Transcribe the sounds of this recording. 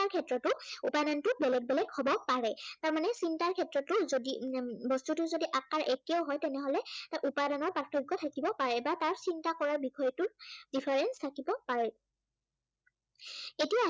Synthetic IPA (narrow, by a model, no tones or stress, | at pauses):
aɹkʰɛtɹɔtʊupanantʊbɛlɛɡ̚bɛlɛɡhobɔpaɹɛtaɹmanɛsintaɹkʰɛtɹɔtːʊzodibɔstutʊzodiʔakːaɹʔekiɔwɦɔjtɛnɛɦɔlɛtaʔupadanɔɹpɹatʰːɔɡɔtʰakibɔpaɹɛbataɹsintakɔɹaɹbixʰɔjɔtʊdipʰaɹɛnstʰakibɔpaɹɛ | etija